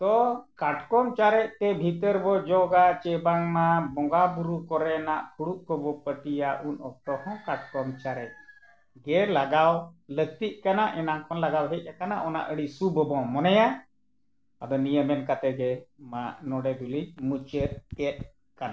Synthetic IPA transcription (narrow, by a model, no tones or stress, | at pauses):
t̪ɔkaʈkɔnt͡ʃaɾɛʔ̚t̪ɛbʱit̪əɾbɔd͡ʒɔɡat͡ʃɛbaŋmabɔŋɡabuɾukɔɾɛnaʔkʰuɽuʔkɔbɔpəʈijaʔunɔp̚ʈɔhɔ̃kaʈ̚kɔmt͡ʃaɾɛc̚ | ɡɛlaɡawləɡ̚t̪iʔ̚ˀkanaʔɛnaŋkʰɔnlaɡawɦɛc̪̚ˀakanaʔɔna̰ʔəɽisubɔbɔ̃mɔnɛja | ad̪ɔnijəmɛnkat̪ɛɡɛmaʔnɔɽɛɡulimut͡ʃət̪̚ɛt̪̚ | kana